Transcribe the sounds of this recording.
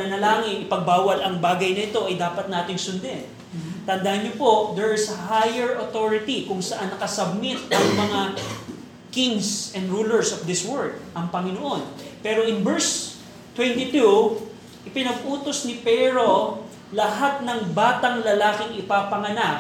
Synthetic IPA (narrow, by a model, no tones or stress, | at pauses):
ɐnɐlaːŋɪʔɪpɐɡ̚baːwɐlɐŋbaːɡɐjnɐɪt̪o̞ʔɐjd̪aːpɐt̪̚naːt̪ɪŋsʊnd̪ɛ | t̪ɐnd̪ahɐnɲopo̞ʔd̪ɛɹɪsɐhajɛɹʔɐt̪oɹɪt̪ikʊŋsɐʔanːɐkɐsɐb̚mɪt̪ɐŋmɐŋa | kɪŋsɛ̃nd̪ɹuːlɛɹsofd̪ɪswɛɹd̪̚ʔɐŋpɐŋɪnoʔo̞npɛːɾo̞ʔɪŋbɛɹs | t̪wɛnt̪it̪u | ʔɪpɪnɐɡʔuːt̪osnɪpɛɾo̞ | lɐɦat̪̚nɐŋbaːt̪ɐŋlɐlaːkɪŋʔɪpapɐŋɐnak̚